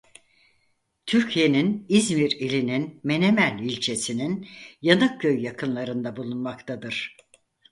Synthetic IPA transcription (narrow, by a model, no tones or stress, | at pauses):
t̪ʰyɾcʰije̞ninizmiɾilʲininme̞ne̞mælʲilʲt͡ʃʰe̞sininjanɯk̚ɟø̞jːakʰɯnlˠaɾɯnd̪abulˠunmakt̪ʰad̪ɯɾ̥